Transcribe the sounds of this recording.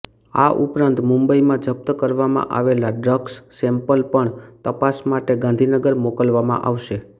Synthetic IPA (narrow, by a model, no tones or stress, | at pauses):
a̰ʔupɾãnt̪mũmbəimãd͡ʒəp̚t̪əkəɾʋamã̰ʔaʋelaɖɾəɡsːɛmpəlpəɳt̪əpasmaʈeɡãnd̪ʱinəɡəɾmokəlʋamã̰ʔaʋʃe